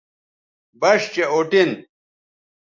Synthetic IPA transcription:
bɐɕt͡ɕeoʈin

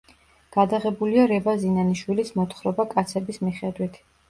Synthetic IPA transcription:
ɡ̥ad̪aʁɛbuliaɾɛbazinaniʃwilismɔt̪ʰχɾɔbakʼat̪sʰɛbismiχɛd̪wit̪ʰ

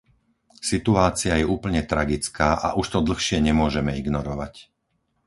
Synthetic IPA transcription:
sit̪uaːt͡sɪajɛuːpl̩ɲɛt̪ɾaɡit͡skaːʔa̰ʔuʃt̪ɔd̪l̩xʃɪɛɲɛmʊɔʒɛmɛiɡnɔɾɔʋac

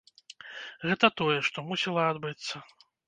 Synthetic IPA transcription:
ɣɛt̪ɐt̪ɔjɛʂt̪ɔmusʲilˠɐad̪bɨt̪sːɐ

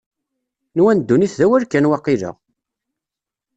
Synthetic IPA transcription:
nwænd̪ːuniθðæwæɾkːænwɑqːiðə̰ʁ

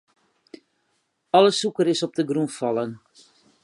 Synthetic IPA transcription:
ɑləsukəɾɪsɔp̚dəɡrunfɑlən

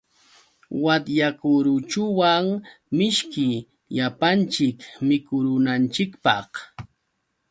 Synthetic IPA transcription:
wat̪jakʊɾʊt͡ʃʊwaŋ | mɪʃkɪ | ʎapant͡ʃɪkmɪkʊɾʊnant͡ʃɪkpɑ̰χ

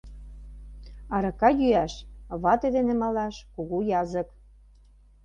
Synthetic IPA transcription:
ɑɾɤ̆kɑjyæʃβɑt̪ed̪enĕmɑlɑʃkuɣujɑzə̆k

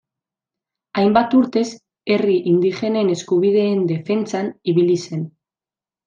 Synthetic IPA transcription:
ajmbat̪uɾt̪e̞s | e̞riʔind̪ixe̞ne̞ne̞skuβ̞iðe̞ːnd̪e̞fe̞nt͡saniβilise̞n

